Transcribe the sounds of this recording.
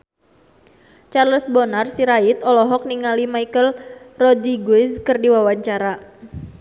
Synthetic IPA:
t͡ʃarləsbɔnarsiɾaɪt̪ɔlɔɦɔk̚niŋalimaikəlrɔdiɡwɪskərdiwawaɲt͡ʃaɾa

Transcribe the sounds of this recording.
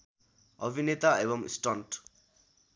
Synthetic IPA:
ʌbʱinet̪aebʌmḭsʈʌnʈ

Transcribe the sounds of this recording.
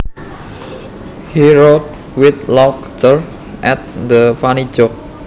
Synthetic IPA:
hiɹot̪̚ | wɪt̪̚lɔk̚ | təɹ | ʔɛt̪̚d̪əfanid͡ʒɔk̚

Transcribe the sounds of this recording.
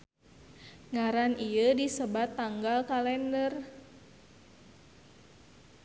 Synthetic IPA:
ŋaɾanʔijədisəbat̪ːaŋɡalkalɛndər

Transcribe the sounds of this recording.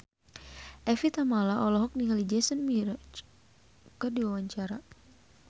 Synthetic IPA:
ʔɛfit̪amalaʔɔlɔɦɔk̚niŋalid͡ʒɛsənmiɾɔt͡ʃ | kədiwawaɲt͡ʃaɾa

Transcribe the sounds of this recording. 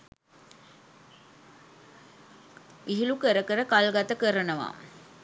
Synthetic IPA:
iɦilukəɾɐkəɾɐkalɡɐt̪ɐkəɾɐnɐʋa̰ːm

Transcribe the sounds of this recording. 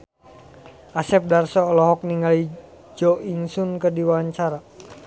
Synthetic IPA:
ʔasɛp̚darsɔlɔɦɔk̚niŋali | d͡ʒɔʔiŋsunkərdiwaaɲt͡ʃaɾa

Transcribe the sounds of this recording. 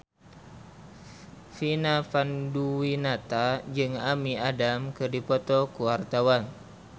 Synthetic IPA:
finafanduwinat̪ad͡ʒɨŋamiadamkɨrdipɔt̪ɔkuwart̪awan

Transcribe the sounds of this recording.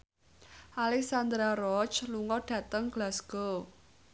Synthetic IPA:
ʔalɛk̚sand̪ɾaɾɔt͡ʃluŋɔɖ̥ä̤t̪əŋɡ̥lasɡ̥o

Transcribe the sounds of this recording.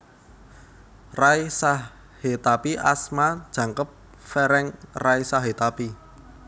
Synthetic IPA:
raisa | het̪apiʔasmad̥ʒ̥ä̤ŋkəp̚ | fɛɾɛŋraisaɦet̪api

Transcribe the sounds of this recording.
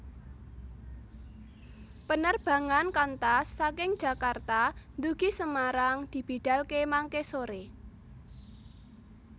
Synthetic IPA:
pənərb̥ä̤ŋankant̪asːakɪŋ̥ʒ̥ä̤kart̪and̪uɡ̥i̤səmaɾaŋd̪̥i̤b̥i̤ɖ̥a̤lkemaŋkesoɾe

